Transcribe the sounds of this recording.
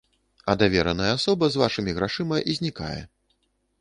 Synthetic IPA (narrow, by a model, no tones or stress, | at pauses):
ɐd̪avʲɛɾɐnɐjɛasɔbɐzvaʂɨmʲiɣɾaʂɨmɐʔizʲnʲika̰jɛ̰